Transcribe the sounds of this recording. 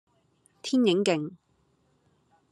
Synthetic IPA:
t̪ʰiː˥njɪ˨˥ŋkɪ˨ŋ

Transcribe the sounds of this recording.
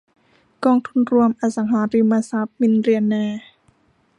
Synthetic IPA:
kɔː˧ŋt̪ʰu˧˥˨nɾu˧əmʔa˧sa˨˩˦ŋɦaː˨˦ɾi˧mːaː˧sa˦˥p̚mi˧˥nɾi˧˩ənːɛː˧

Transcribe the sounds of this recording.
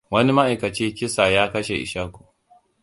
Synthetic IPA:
wɐ˦ni˦ma˦ʔa˨jkɐ˨t͡ʃiː˦kʲɪ˦sa˨jaː˦kɐ˦ʃe˨ʔɪ̰˨ʃaː˦kʷuː˨

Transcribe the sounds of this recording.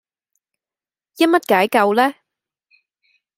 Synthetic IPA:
jɐ˥t̚mɐ˥t̚kaː˨˥jkɐ˧wlɛː˥

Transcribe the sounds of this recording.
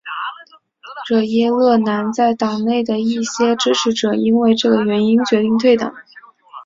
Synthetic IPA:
ʈ͡ʂɤ˥˩jɛ˥lɤ˥˩na˧˥nt͡sa˥˩ɪt̪ɑ˨˩ŋne˥˩ɪd̪ə˩i˥˩ɕjɛ˥ʈ͡ʂɻ̩˥ʈ͡ʂʰɻ̩˧˥ʈ͡ʂɤ˨˩i˥nwe˥˧ɪʈ͡ʂɤ˥˩ɡə˩ɥɛ˧˥ni˥nt͡ɕɥɛ˧˥t̪i˥˧ŋt̪ʰwe˥˩ɪt̪ɑ̰˨˩˦ŋ

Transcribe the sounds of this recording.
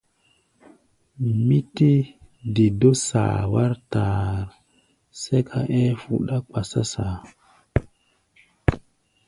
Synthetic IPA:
mi˦ti˦ | di˨do˦sa̰˨wa˦ɾtaː˨ɾ | se˦kʰa˨ʔe˦fu˨ɗa˦k͡pa˨sa̰˦saː˨

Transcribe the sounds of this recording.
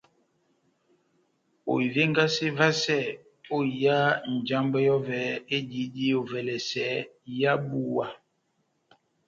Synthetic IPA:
o̰˨i˨ve˦ŋ˦ɡa˦se˦va˦sɛ˦˨ | o˦˨ja˦n̩˨d͡ʒa˦mbɛ˦jɔ˦vɛ˨˦e˦di˨˦di˦o˨vɛ˨lɛ˨sɛ˨˦ | ja˦bu˨wa˨

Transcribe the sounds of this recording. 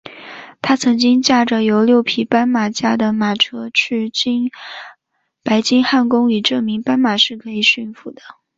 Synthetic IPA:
t̪ʰa˥t͡sʰɤ˧˥ŋt͡ɕi˥ŋt͡ɕja˥˩ʈ͡ʂə˩jo˧˥ʊljo˥˩ʊpʰi˨˩pa˥nma˨˩t͡ɕja˥d̪ə˨ma˨˩ʈ͡ʂʰɤ˥t͡ɕ̩ʰ˥˩t͡ɕi˥n | pa˧˥ɪt͡ɕi˥ŋxa˥˩nkʊ˥ŋy˨˩ʈ͡ʂɤ˥˩mi˧˥ŋpa˥nma˨˩ʂɻ̩˥˩kʰɤ˧˥i˨˩ɕy˥˩nfu˨˩d̪ə˦

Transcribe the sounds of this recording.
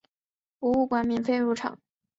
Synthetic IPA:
u˧˥u˥˩kwa˧˥nmi˧˥nfe˥˧ɪɻu˧˥ʈ͡ʂʰɑ̰˨˩˦ŋ

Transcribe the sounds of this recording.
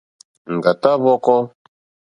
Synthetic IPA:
ŋ̩˨ɡa˨t̪a˦βɔ˦kɔ˦

